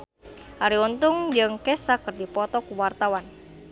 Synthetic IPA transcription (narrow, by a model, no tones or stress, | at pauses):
haɾiunt̪uŋd͡ʒɨŋkɛsakərdipɔt̪ɔkuwart̪awan